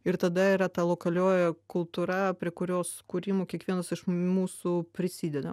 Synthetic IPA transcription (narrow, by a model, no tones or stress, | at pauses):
ɪɾt̪ɐd̪ɐiɾɐt̪ɐlˠoːkɐlʲoːjɛkʊlˠt̪uɾɐpʲɾʲiɛkʊɾʲoːskuːɾʲiːmoːkʲiɛkʋʲiɛnɐsɪʃmuːsupʲɾʲɪsʲiːd̪ʲɛd̪ɐ̰